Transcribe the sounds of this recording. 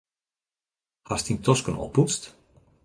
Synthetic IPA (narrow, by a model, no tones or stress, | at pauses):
hastintʰɔskənɔ̰pːut͡st